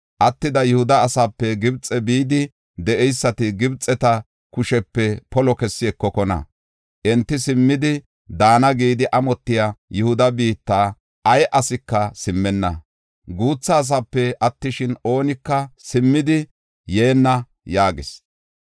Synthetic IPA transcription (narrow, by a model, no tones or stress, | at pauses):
ʔɐt̪ːɪd̪ɐjʊhʊd̪ɐːsaːpːɛɡɪbt͡sʼɛbiːd̪ɪ | d̪ɛʔɛjsːɐt̪ɪɡɪbt͡sʼːɛt̪ɐ | kʊʃɛpːɛpɔlɔkɛsːɪɛkːɔkɔnɐ̰ | ʔɛnt̪ːɪsɪmːɪd̪ɪ | d̪aːnɐɡiːd̪ɪʔɐmɔt̪ːɪjajʊhʊd̪ɐbiːt̪ːaː | ʔɐjʔɐsɪkːɐsɪmːɛnːɐ̰ | ɡuːt͡sːɐːs̬aːpːɛʔɐt̪ːɪʃɪno̞ːnɪkːɐsɪmːɪd̪ɪ | je̞ːnːɐ | jaːɡɪs